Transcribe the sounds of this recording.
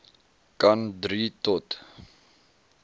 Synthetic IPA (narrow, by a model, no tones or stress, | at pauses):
kandɾitɔt